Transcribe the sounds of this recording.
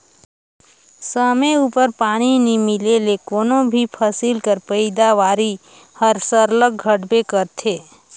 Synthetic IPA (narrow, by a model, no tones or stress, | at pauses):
səmeupəɾpaːñinimɪlelekoːnõbʱipʰəsilkəɾpəɪd̪aʋaːɾi | həɾsəɾləɡ̚ɡʱəʈbekəɾt̪ʰeː